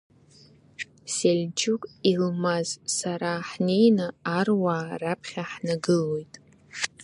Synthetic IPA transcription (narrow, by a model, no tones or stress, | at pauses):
selʲd͡ʒukʼilmazsaɾaħne̞jnɨːrwaːrapʰχʲaħnaɡɨlo̞jtʼ